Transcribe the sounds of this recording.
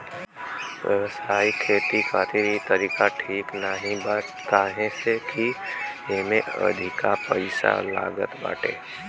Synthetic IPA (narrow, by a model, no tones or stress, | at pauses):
wəʋəsaːikʰeːt̪ikʰaːt̪iɾit̪əɾiːkaʈʰiːknaɦĩba | k̪aːɦẽsekiemẽə̰d̪ʱikapəɪsa̰la̰ːɡə̰t̪ba̰ːʈḛː